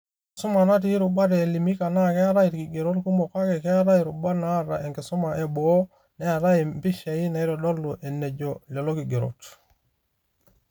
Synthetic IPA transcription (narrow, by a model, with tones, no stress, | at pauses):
ksu˦ma˨na˦t̬i˦ɾu˨ba˦ɾ̬li˨mi˦ka˨na˦ke˦a˦ɾa˦i˨tki˨ɡe˨ɾo˦tku˦mo˨ka˦ke˨ke˦a˦ɾa˦i˨ɾu˨ba˦na˦ɾa̰˨e˨ŋke˨su˦ma˨ʔe˨bo˦ | ne˦a˨ɾa˦i˨mpi˦ʃa˨i˦na˨i˦ɾɔ˨do˦lːu˨ʔe˨nːe˨ɟo˨le˨lo˦ki˨ɡe˨ɾo̰˨t